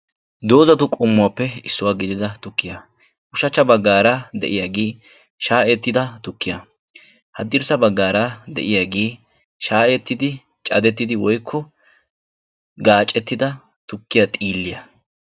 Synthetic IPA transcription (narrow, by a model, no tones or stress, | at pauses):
d̪o̞ːzɐt̪ʊkʼʊmːʊwaːpːɛɪsːʊwaːɡɪd̪ɪd̪ɐt̪ʊkːɪja | ʊʃɐt͡ʃːɐbɐɡːaːɾad̪ɛ̰ʔɪjaːɡeː | ʃaːʔet̪ːɪd̪ɐt̪ʊkːɪja | hɐd̪ɪɾsɐbɐɡːaːɾad̪ɛ̰ʔɪjaːɡeː | ʃaːʔɛt̪ːɪd̪ɪ | t͡ʃʼɐ̰d̪ɛt̪ːɪd̪ɪwɔjkʰːɔ | ɡaːt͡ʃʼːɛt̪ːɪd̪ɐ | t̪ʊkːɪjat̪ʼiːlːɪjɐ